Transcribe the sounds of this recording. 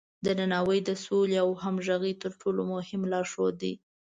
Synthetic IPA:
d̪ənanɑwəjd̪əsoleawɦamʒaɣit̪əɾʈʰolomʊhɪmlɑɾʃod̪ḭ

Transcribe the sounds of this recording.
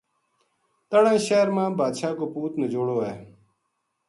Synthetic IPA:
t̪əɽẽːʃeːɾmãːbaːd̪ʃaːkoːpuːt̪nəd͡ʒoːɽoːeː

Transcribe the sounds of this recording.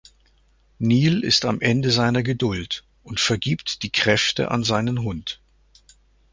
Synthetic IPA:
niːlɪ̰stamʔɛndəzaɪnɐɡədʊlt | ʔʊntfɛɐɡiːptd̥iːkʁ̥ɛftə̰ʔa̰nzaɪnənɦʊnt

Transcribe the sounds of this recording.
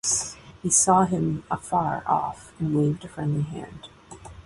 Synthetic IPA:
hisɔɪ̃mʔəfɑɹʔɔ̰fnweɪvdɨfɹɛ̃nɨ̃ɦæ̰̃nd̥

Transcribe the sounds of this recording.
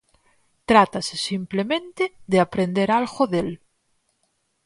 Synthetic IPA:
t̪ɾat̪asesimplemẽnt̪eðeapɾẽnd̪eɾalɣoðel

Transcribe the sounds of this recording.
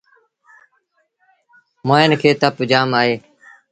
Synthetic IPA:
moːɪnkʰeːt̪əpd͡ʒaːmaːɦeː

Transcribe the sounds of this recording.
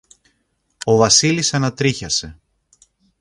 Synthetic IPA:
o̞vɐsilisɐnɐt̪ɾiçɐse̞

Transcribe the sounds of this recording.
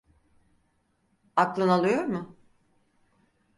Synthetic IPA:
aklˠɯnalˠɯjo̞ɾmʊ

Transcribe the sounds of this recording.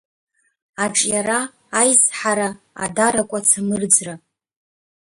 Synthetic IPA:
aʈ͡ʂʼjaɾaː | jzħaɾa | a̰daɾakʷʼat͡sʰamɨrd͡zra

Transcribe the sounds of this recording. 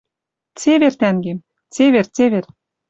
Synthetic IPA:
t͡seβert̪æŋɡem | t͡seβert͡seβer

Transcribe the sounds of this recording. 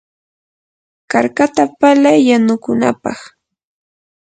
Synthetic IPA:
kaɾkat̪apalajːanʊkʊnapɑ̰χ

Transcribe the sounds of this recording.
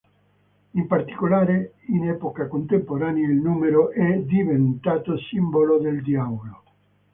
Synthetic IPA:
impart̪i̥kolaːɾe | inɛːpokakont̪empoɾaːnailnuːmeɾoʔɛd̪ivent̪aːt̪osimbolod̪eld̪jaːvolo

